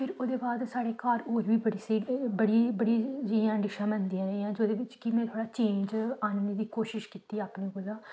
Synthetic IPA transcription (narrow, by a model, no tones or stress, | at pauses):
pʰɪɾoːd̪eːbaːd̪saːɽeːkaːɾoːɾʋiːbəɽiːsiːbəɽiːbəɽiːd͡ʒiãːɖɪʃãːmənd̪iːãːɾəːãːd͡ʒoːd̪eːʋɪt͡ʃkɪmɛ̃ːt̪ʰoːɽaːt͡ʃẽːɲd͡ʒaːnmniːd̪iːkoːʃɪʃkiːt̪iːaːpnẽːbolaː